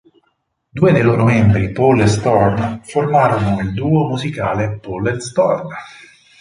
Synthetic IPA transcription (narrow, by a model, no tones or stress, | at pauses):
d̪uːed̪ejloːɾomɛmbɾipɔlest̪ɔrnformaːɾonoild̪uːomuzikaːlepolest̪ɔrn